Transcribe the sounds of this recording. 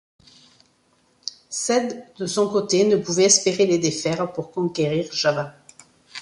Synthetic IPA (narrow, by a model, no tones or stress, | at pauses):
sɛd̪d̪əsɔ̃kot̪enəpuvɛɛspeʁeled̪efɛʁpuʁkɔ̃kʲeʁiʁʒava